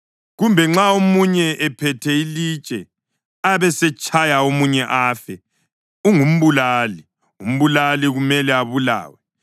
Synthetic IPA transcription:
ɣumbʱɛŋ͡ǁaomuɲɛʔɛpʰɛtʰɛilit͡ʃʼɛ | aβɛsɛt͡ʃʼʰajaomuɲɛʔaːfɛ | uŋum̩βulaːli | um̩βulaliɣumɛlɛaβula̰ːwɛ

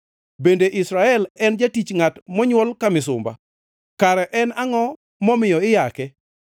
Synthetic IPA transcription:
bendeʔisɾaɛlɛnd͡ʒatit͡ʃŋatmɔɲwɔlkamɪsʊ̰mba̰ | kaɾɛʔɛnaŋɔ | mɔmɪjɔɪjakɛ

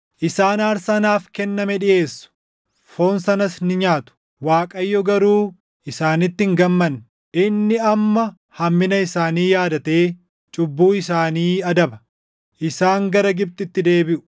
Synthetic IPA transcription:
ʔɪsaːnaːɾsɐnaːfkɛnːɐmɛᶑɪʔe̞ːsːʊ̥ | fo̞ːnsɐnɐsnɪɲaːt̪ʊ̥ | waːkʼɐjːɔɡɐɾuː | ɪsaːnɪt̪ːɪŋɡɐmːɐnː | ʔɪnːɪɐmːɐ | hɐmːɪnɐɪsaːniːjaːd̪ɐt̪e̞ː | t͡ʃʼʊbːuːɪsaːniːɐd̪ɐbɐ | ʔɪsaːŋɡɐɾɐɡɪb̚t̪ʼɪt̪ːɪd̪e̞ːbɪʔʊ̥

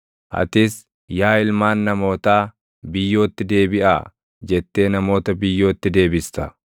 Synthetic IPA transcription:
ʔɐ̰t̪ɪs | jaːɪlmaːnːɐmo̞ːt̪aː | bɪjːo̞ːt̪ːɪd̪e̞ːbɪʔa̰ː | d͡ʒɛt̪ːe̞ːnɐmo̞ːt̪ɐbɪjːo̞ːt̪ːɪd̪e̞ːbɪst̪ɐ

